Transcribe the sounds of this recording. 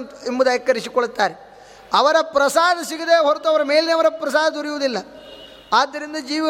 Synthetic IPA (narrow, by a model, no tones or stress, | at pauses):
nimːbud̪ɐːjɐkːɐɾisikoɭut̪ːaːɾe | ɐʋɐɾɐpɾɐsaːd̪ɐsiɡid̪eːɦoɾt̪uɐʋɐɾɐme̞ːlineɐʋɐɾɐpɾɐsaːd̪ɐd̪uɾijuʋud̪ilːɐ | aːd̪ːɐɾind̪ɐd͡ʒiːʋi